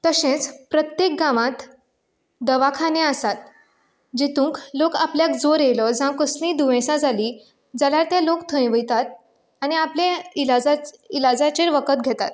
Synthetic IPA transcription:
t̪əɕẽt͡spɾət̪jek̚ɡamãt̪ | d̪əʋakʰanẽəsat̪ | d͡ʑet̪ũːŋklokapljakd͡zoɾelɔd͡zãkəsnĩd̪uʋẽsãd͡zaliː | d͡zaljaɾt̪jalokt̪ʰə̃jʋəjt̪at̪̚ | aniapleilad͡zailad͡zat͡ɕeɾʋəkət̪̚ɡʱɛt̪at̪̚

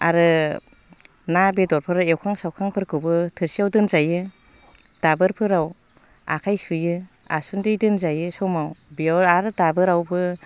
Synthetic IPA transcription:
a̰ɾɯ | nabedɔɾpʰɯɾaewkʰaŋsawkʰaŋpʰɯɾkʰɯbɯtʰɯɾsijawdɯnzajɯ | d̥abɯɾpʰɯɾaw | a̰kʰajsujɯ | a̰sundɯjdɯnzajɯsɔmawbiaaɾɯdabɯɾawbɯ

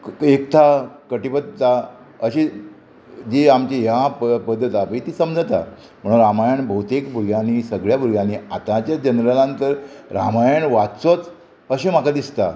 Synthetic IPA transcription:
ek̚t̪ʰakəʈipəd̪̚t̪ːa | əɕi | d͡ʑiamt͡ɕiɦjapəd̪ʱːət̪aʋit̪iːsəmd͡zʱat̪a̰ | m̤əɽ̃ũnɾamajəɳbʱəut̪ekbʱuɾɡjãnisəɡɭjabuɾɡjaniːat̪ãt͡ɕjad͡ʑənɾəlãnt̪əɾɾamajəɳʋat͡sot͡s | əɕimakad̪ist̪a

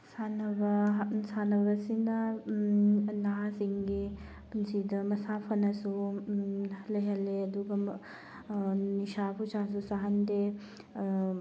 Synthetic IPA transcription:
sanɐʋɐsanɐʋɐsind̪a | naɦasiŋɡe | pinsid̪ɐmɐsaːfʰɐnɐsu | ɐleɦɐleɐd̪uɡɐm | niʃaːput͡ʃas̬usaɦɐnd̪e

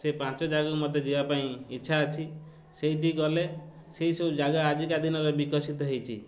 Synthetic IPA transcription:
sepãnt͡ʃɔd͡ʒaɡɔkumɔt̪ed͡ʒibapaĩitːʃʰaːt͡ʃʰi | sejʈiɡɔle | seisod͡ʒaɡaːd͡ʒikad̪inɔɾebikɔsit̪ɔɦejt͡ʃʰḭ

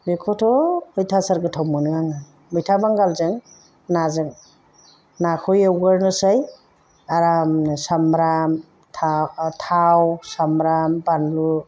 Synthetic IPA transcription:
bekʰɔtʰɔɯjtʰasaɾɡɯtʰawmɯnɯaŋa | mɯjtʰabaŋɡalzɯŋ | nazɯŋ | nakʰɔjawɡɯɾnɯsaj | aɾamsamɾam | tʰatʰawsamɾambanlu

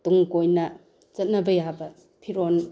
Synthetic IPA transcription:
tuŋkojnɐ | zɐt̚nɐbɐjabɐ | pʰiɾon

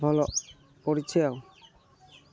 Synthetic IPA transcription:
bʱɔlɔʔ | poɾit͡ʃʰɔjaw

